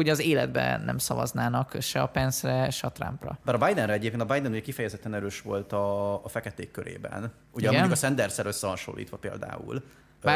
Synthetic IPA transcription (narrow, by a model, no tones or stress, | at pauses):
uɟɛɒzeːlɛd̪̚bɛ̰nɛ̰msɒvɒ̰znaːnɒkʃɛɒpɛnsrɛʃɛɒt̪ra̰mprɒ̰baɾɒbajd̪ɛnɾɛɛɟeːpkeːnt̪ɒbajd̪ɛnuɟɛkifɛjɛzɛt̪ːɛnɛɾøːʃʋo̞lt̪ɒːfɛkɛt̪eːkːøɾʔḛːbɛ̰n | uɟɛmmnɟuukɒsɛnd̪ɛrsɛɾøsːɛhɒʃo̰lːḭːt̪ʋɒpeːld̪a̰ːṵl | a